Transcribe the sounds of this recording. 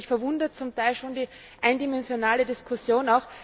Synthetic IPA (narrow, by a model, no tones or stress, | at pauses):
çfɛɐvʊndɐt̚t͡sʊmtʰaɪlʃoːndiː | ʔaɪndimɛnzjonaːlədiskʰʊsjoːnaʊx